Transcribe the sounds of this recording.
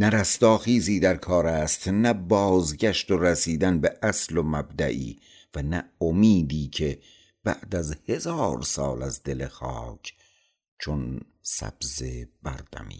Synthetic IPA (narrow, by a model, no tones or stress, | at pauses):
næɾæst̪ɒːxiːziːd̪æɾkʰɒːɾæːst̪næbɒːzɟæʃt̪oɾæsiːd̪ænbe̞ʔæslomæbd̪æ̰ʔḭː | vænæomiːd̪iːcʰe̞ | b̥æ̰ʔd̪æzhe̞zɒːɾsɒ̰ːlæzd̪e̞le̞xɒ̰ːcʰ | t͡ʃʰon | sæ̰b̥zeb̥æ̰ɾd̪æ̰mḭː